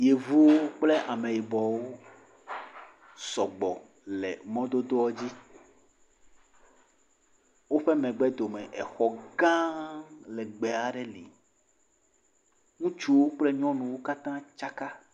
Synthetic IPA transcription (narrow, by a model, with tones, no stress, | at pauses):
je˨vu˦wo˦k͡ple˦ʔa˨me˨ji˨bɔ˨wo˦ | sɔ˨ɡ͡bɔ˨ | lḛ˨mɔ̃˦d̪o˦d̪o˦ɔ˦d͡ʑi˦ | wo˦ɸe˦mɛ̃˨ɡ͡bɛ˦d̪o˨me˨ʔɛ̰˨xɔ˨ɡã˦lɛ˨ɡ͡be˨a˨ɖɛ˦lḭ˨ | ŋũ˦t͡ʃu˦wo˦k͡ple˦ɲɔ̃˦nũ˨wo˦ka˦t̪ã˦t͡ʃa˦ka˦